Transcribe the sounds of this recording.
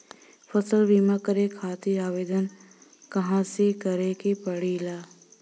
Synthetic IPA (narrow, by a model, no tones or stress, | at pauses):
fəsəlbiːmãːkəɾekʰaːt̪iaːʋeːd̪ən | kɐɦãsekəɾekepəɽiːlaː